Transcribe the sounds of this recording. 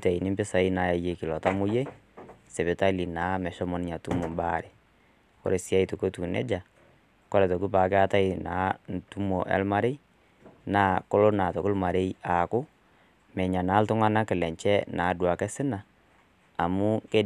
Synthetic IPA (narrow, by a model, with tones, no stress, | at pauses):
ta˨i˨nɪ˦mbɪ˦sa˨i˦na˨˦ɛ˨je˨kɪ˨lɔ˨ta˦mʊ˦je˦ | sɛ˨βɪ˨ta˦li˨naː˨˦mɛ˨ʃɔ˦mɔ˨˦nɪ˦ɲa˨tu˦mo˨mba˦˨ɾe˨ | kɔ̰˦ɾe˨si˦a˦i˨to˨ko˦tu˨nɛ̰˦d͡ʒa˨ | kɔ˦ɾɛ˨to˨ku˦pa˨kɛ˦a˦ta˦ɪ˨naː˨˦ntu˦mo˨ʔɛ̰˦lma˦ɾe˦ | naː˨˦ko˦lo˦na˨to˨ku˦lma˨ɾe˦ja˨kʊ˦ | mɛ˨ɲa˨naː˨˦ltʊ˦ŋa˦na˦kɪ˨lɛ˨ɲt͡ʃɛ˦naː˨˦dwa˨kɛ˦sɪ˦naː˨ | mʊ˦ke˦